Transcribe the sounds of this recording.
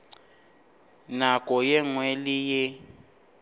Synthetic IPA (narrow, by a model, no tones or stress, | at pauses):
nakʼɔjɛŋwelije